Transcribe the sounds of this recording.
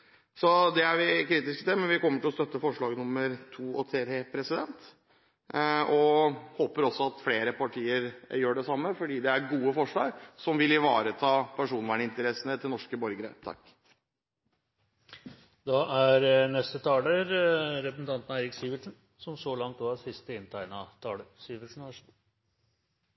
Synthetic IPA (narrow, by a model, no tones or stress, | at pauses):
sɔd̪ɛæɾʋɪkʰɾiːt̪ɪskət̪ʰɪmɛnʋɪkɔmːəʈɪlɔst̪œt̪ːəfɔʂɭɑːɡnʊmːəɾt̪ʰuːɔt̪ʰeːt̪epʰɾɛsɪd̪ɛnt̪ | ɔhoːpəɾɔsːɔɑt̪fleːɾəpʰɑʈʰiːəɾjøːɖɛsɑmːəfɔɖiːd̪ɛæɾɡuːəfɔʂɭɑːɡsɔmʋɪlɪʋɑːɾət̪ʰɑːpʰæʂuːnʋæːɳɪnt̪əɾɛsənət̪ʰɪlnɔʂkəbɔɾɡɾə̰t̪ʰɑ̰kː | d̪ɑʔæɾnɛst̪ət̪ʰɑːləɾɾɛpɾəsn̩t̪ʰɑnt̪nɑæɪɾɪksiʋəʈʂən | sɔmsɔlɑŋt̪oːɑsɪst̪əɪnːt̪ʰæɪnɑt̪ʰɑːləɾsiːʋəʂn̩ʋæʂn